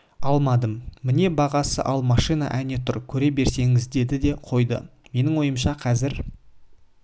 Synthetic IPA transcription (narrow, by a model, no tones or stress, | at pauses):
ɑlˠmɑd̪əmːɪne̞bɑʁɑsə̰ʔɑlˠmɑʃijna̰ʔæne̞t̪ʰʊɾkʲʰɵɾe̞be̞ɾse̞ŋɪzd̪e̞d̪ɪd̪e̞qʰo̞jd̪ə̰me̞nɪŋwo̞jəmʃɑqʰɑzɪɾ